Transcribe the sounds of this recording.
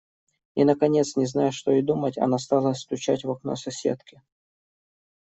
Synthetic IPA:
inəkɐnʲe̞t̪snʲɪznajʊʂt̪o̞ɪd̪umətʲɐ̰nast̪alˠəst̪ʊt͡ɕætʲvɐkno̞̰sɐsʲe̞̰t̪kʲɪ

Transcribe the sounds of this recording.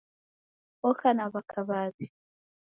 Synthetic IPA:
ɔxanaβakʰaβaβi

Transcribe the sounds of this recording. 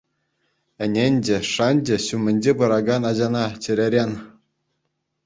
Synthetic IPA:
ɘ̆nʲenʲd͡ʑɘ̆ʂɑnʲd͡ʑɘ̆ɕumʲɘ̆nʲd͡ʑebɤɾɑɡɑnɑʑɑnɑt͡ɕɘ̆ɾʲeɾʲen

